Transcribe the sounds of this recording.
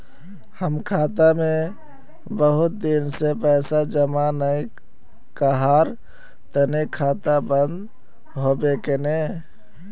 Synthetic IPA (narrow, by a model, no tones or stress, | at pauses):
həmkʰat̪ame | bəɦut̪̚d̪insepəɪsad͡ʒəmanəj | kəɦaɾ | t̪ənekʰat̪abənd̪ | ɦobekene